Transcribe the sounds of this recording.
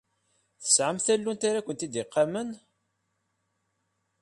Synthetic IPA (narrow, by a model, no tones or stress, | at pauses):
θə̥sʕəmθælːunt̪aɾakʷːənt̪id̪ɪqːamən